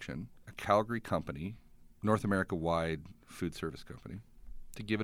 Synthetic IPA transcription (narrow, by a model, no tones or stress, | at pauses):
kʃɨ̰̃nɨkʰælˠɡə˞ikʰʌ̃mpɨninɔɹθəmɛɹɨkəwaɪd̥fʉd̥sɜ˞vɨskʰʌ̰̃mpənitʰɨɡɪv